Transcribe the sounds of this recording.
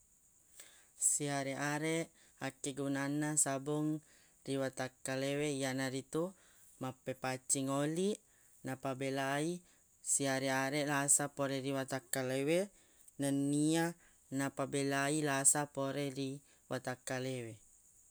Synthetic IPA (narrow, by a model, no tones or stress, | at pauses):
siaɾeʔaɾɛʔ | akːɛɡunanasabɔŋ | riwat̪akːaleweijanaɾit̪u | mapːɛpat͡ʃiŋoliʔ | napabɛlai | siaɾɛaɾɛlasapoɾɛɾiwat̪akːalewe | nanːia | napabɛlailasapoɾɛɾi | wat̪akːalewe